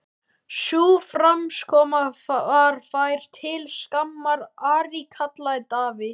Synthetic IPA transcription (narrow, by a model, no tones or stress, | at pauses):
suːfɾamskʰɔːmaaɾ̥fajɾ̥t̪ʰɪlskamːaɾaɾikʰat̪lajt̪aːvɪ